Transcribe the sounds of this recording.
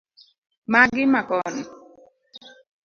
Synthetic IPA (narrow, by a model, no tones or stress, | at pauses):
maɡɪmakɔnɔ